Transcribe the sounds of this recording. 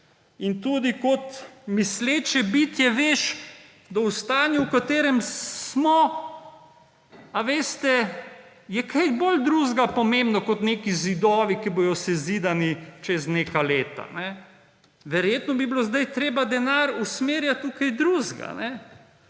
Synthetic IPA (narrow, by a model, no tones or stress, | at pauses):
int̪uːd̪ikot̪misleːt͡ʃɛbit̪jɛʋeʃ | d̪aust̪aːnjɛwkat̪eːɾɛmsmɔ | aʋeːst̪ɛ | jɛkʰajbold̪ɾuːzɡapɔmembnɔkot̪neːkizid̪ɔːʋikibojɔsɛziːd̪anit͡ʃɛzneːkaleːt̪a̰nɛ | ʋɛɾjeːt̪nɔbibilozd̪ajt̪ɾeːbad̪ɛnaːɾusmeːɾjat̪ːukajd̪ɾuzɡa̰nɛ